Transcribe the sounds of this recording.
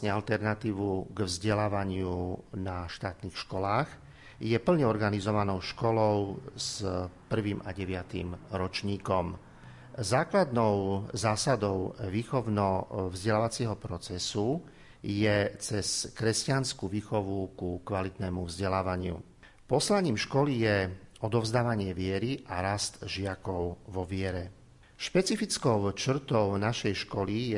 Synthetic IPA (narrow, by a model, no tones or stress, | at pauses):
sɲɛalt̪ɛɾnat̪iːʋuɡvzɟɛlaːʋaɲɪunaʃt̪aːt̪niːxʃkɔlaːɣ | jɛpl̩ɲɛɔɾɡanizɔʋanɔʊʃkɔlɔʊzpr̩ʋiːmʔaɟɛʋɪat̪ḭmɾɔt͡ʃɲiːkɔm | zaːklad̪nɔʊzaːsad̪ɔʊʋiːxɔʊnɔvzɟɛlaːʋat͡sɪɛɦɔpɾɔt͡sɛsu | jɛt͡sɛskɾɛscanskuʋiːxɔʋukukʋalit̪nɛːmuvzɟɛlaːʋaɲɪṵ | pɔslaɲiːmʃkɔlijɛɔd̪ɔvzd̪aːʋaɲɪɛʋɪɛɾiʔaɾast̪ʒɪakɔʊʋɔʋɪɛɾɛ | ʃpɛt͡sifit͡skɔʊt͡ʃr̩t̪ɔʊnaʃɛjʃkɔlijɛ